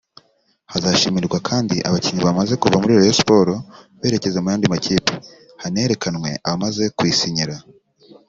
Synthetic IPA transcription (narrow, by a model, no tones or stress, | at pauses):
hazaʃimiɾɡwakʰaːndiʔa̰βaciɲiβamaze̞kuvamuɾiɾojosi̥po̞ɾo̞βe̞ːɾe̞ce̞zemujaːndimaciːpi̥ | hane̞ːɾe̞kanŋwe̞̰ʔaβamaze̞kwiːsiɲiɾa